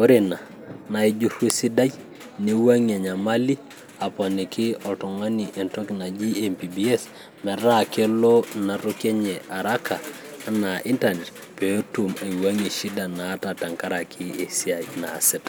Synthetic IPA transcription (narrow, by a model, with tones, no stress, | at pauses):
ko˦ɾe˨na˨ | na˨i˦d͡ʒu˦rwe˦si˦da˦j | ne˦wa˦ŋa˨ɲa˨ma˦li˦ | a˨pɔ˨ne˨kʰɪ˦ɔtɔ˨ŋa˦ni˨ʔe˨nto˦kna˨d͡ʒi˦empi˨biɛ˦s | mɛ˨ɾa˦ke˦lo˦na˨ɾoke˦ɲɛ˨ʔa˨ɾa˦kʰa˨ | na˨ʔi˦ntane˨t | pe˨o˦tuma˨i˨wa˦ŋe˨ʃi˦da˨naː˨˦tata˨ŋka˦ɾa˨kʰɪ˦e˨si˦a˨i˦na̰˨sɪtḁ